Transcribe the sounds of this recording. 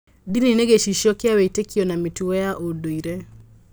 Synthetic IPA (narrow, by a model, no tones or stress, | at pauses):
dinineɡeʃiʃɔkeaweitekʰiɔnamituɛjaʔodoiɾɛ